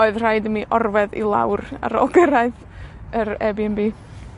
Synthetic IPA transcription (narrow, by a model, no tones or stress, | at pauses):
oɨðr̥ajdəmiʔɔrvɛðḭlˠa̰wra̰ɾɔ̰lˠɡəɾaɨθ | əɾɛbiɛmbiː